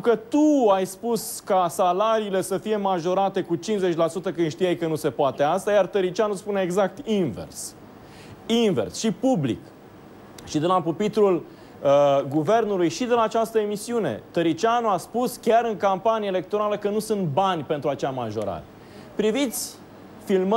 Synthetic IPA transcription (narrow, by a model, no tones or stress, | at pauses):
et̪ɾukət̪uajspuskasalaɾiːle̞səfije̞maʒo̞ɾat̪e̞kut͡ʃinze̞t͡ʃʲlasut̪əkɨnd̪ʃt̪ijajkənuse̞poat̪e̞ast̪ajart̪əɾit͡ʃianuspune̞ːɡzak̚t̪invḛrs | inve̞̰rsʃipublḭk | ʃid̪elapupit̪ɾul | əɡuve̞rnulujʃid̪elaːt͡ʃast̪əemisiune̞̰t̪əɾit͡ʃianuaspuskʲaɾɨŋkampanijele̞k̚t̪o̞ɾaləkənusunt̪̚banʲpe̞nt̪ɾuat͡ʃeama̰ʒo̞̰ɾa̰ɾe | pɾivit̪sʲ | film